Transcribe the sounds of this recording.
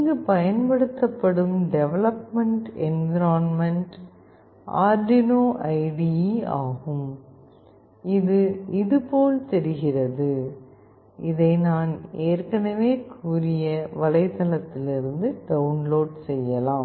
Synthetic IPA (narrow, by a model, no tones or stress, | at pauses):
ɪŋɡɯpɐjɐnpɐɽɯt̪ːɐpːɐɽɯmɖɛʋɛlɐpmɐɳʈɛnɡɪɾaːnmɐɳʈ | ʔa̰ːɾɖɪnoːʔɐɪɖiaːɣɯm | ɪðɯɪðɯpoːlt̪ɛɾɯɣɪrɐðɯ | ɪðɐɪnaːneːɾkɐɳɐʋeːkʰuːɾɪjɐʋɐlɐɪt̪ːɐlɐt̪ːɪlɪɾɯnd̪ɯɖɐʊnloːɖsɛjːɐlaːm